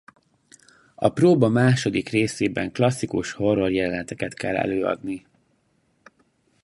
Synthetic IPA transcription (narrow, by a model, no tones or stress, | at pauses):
ɒ̰proːbɒmaːʃo̞d̪ikreːseːbɛŋklɒsːikuʃho̞rːo̞rjɛlɛnɛt̪ɛkɛt̪kɛlːɛ̰løːɒ̰d̪ni